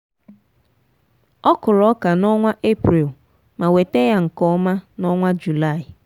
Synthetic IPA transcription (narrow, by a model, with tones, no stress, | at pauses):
ɔ˦kʊ˨lɔ˦ka˨nɔ˦ŋʷa˦ʔe˦pɾi˨l | ma˨we˨te˦ja˦ŋ̩˨kɔ˦ma˦nɔ˦ŋʷa˦d͡ʒu˨la˦˨ɪ˨